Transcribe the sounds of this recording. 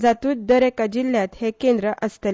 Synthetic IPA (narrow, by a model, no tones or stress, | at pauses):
d͡zat̪uːt̪̚d̪əɾekad͡ʑilːjãt̪hekẽnd̪ɾəʔəst̪ə